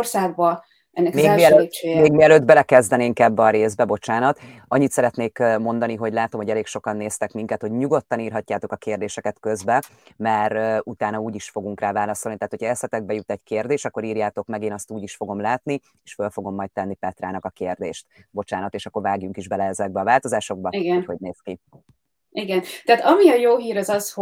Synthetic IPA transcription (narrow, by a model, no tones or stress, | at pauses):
rsaːɡ̚bɒ | ʔɛnːɛkmeːiɛlemeːɡmiɛløːd̪bɛlɛkɛzd̪ɛneːŋkɛbːɛɒɾeːzbɛbo̞t͡ʃaːnɒt̪ | ɒɲːit̪sɛɾɛt̪neːkmo̞nd̪ɒniɦo̞ɟlaːt̪o̞mhoɟɛleːkʃo̞kɒnːeːst̪ɛkmiŋkɛt̪ho̞ɟɲuɡo̞t̪ːɒniːrɦɒcːaːt̪o̞kɒkeːrd̪eːʃɛkɛt̪kø̞zbɛ | mɛɾut̪aːnɒuːɟiʃfo̞ɡuŋkraːvaːlɒso̞lnit̪ɛɦːt̪hocʰɒɛsɛt̪ɛɡ̚bɛjut̪ɛckeːrd̪eːʃt̪ɒkːo̞ɾiːrjaːt̪o̞kmɛɡeːnɒst̪uːɟiʃfo̞ɡo̞mlaːt̪ni | eːʃfølfo̞ɡo̞mːɒjt̚t̪ɛnːipɛt̪raːnɒkɒkeːrd̪eːʃt̪bo̞t͡ʃaːnɒt̪eːʃɒkːo̞rvaːɡjuŋkiʒbɛlɛɛzɛɡ̚bɛːvaːlt̪o̞zaːʃo̞ɡ̚bɒiɡɛnhoɟneːski | iɡɛnt̪ɛat̪ɒmiɒjoːɦiːɾɒzɒsh